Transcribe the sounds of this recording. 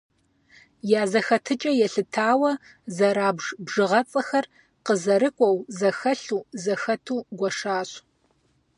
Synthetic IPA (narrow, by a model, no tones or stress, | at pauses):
jaːzɐxɐtʰɨt͡ʃʼɐjɛɬɨtʰaːwɐ | zɐɾaːbʐbʐɨʁɐt͡sʼɐxɐr | qəzɐɾɨkʷʼɔwzɐxɐɬuːzɐxɐtʰuːɡʷɔʂaːɕ